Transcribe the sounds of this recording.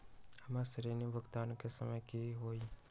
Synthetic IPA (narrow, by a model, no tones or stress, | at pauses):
hɐmasəɾiːnibʱəɡt̪aːnkesəməjkiɦoːi